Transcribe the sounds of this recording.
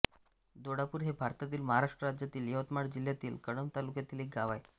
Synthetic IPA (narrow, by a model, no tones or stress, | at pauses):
d̪oɽapuːɾɦebʱaɾt̪at̪iːlməɦaɾaʂʈɾəɾad͡ʑjat̪iːljəʋət̪maɽd͡ʑil̤jat̪iːlkəɽəmt̪alukjat̪iːlek̚ɡaʋaj